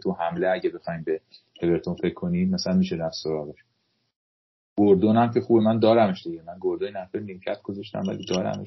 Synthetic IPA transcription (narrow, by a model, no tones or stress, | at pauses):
t̪ʰuhæmle̞æɟebe̞xɒːiːmbe | hʰe̞ve̞ɾt̪ʰonfecʰːo̞niːd̪mæsælænmiʃed̪æsoɾɒːɣeʃ | ɡ̥oɾd̪onæmcʰe̞xuːbemænd̪ɒːɾæme̞ʃd̪iɟemænɡoɾd̪oninæɾfejlimcʰæt̪̚ɡ̥o̞zɒʃt̪æ̰mvæ̰lḭd̪ɒːɾæ̰mḛʃ